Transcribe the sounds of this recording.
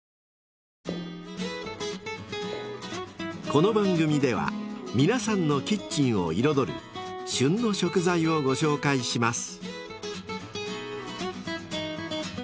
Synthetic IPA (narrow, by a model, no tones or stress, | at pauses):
ko̞no̞bãŋɡɯ̟mʲid̪e̞βa̰mʲinasãnːo̞kʲit͡ɕːĩɰ̃o̞̰iɾo̞d̪o̞ɾɯ̟̰ɕɨ̃nːo̞ɕo̞kɯ̟zaio̞ɡo̞ɕo̞ːkaiɕimasɨ̥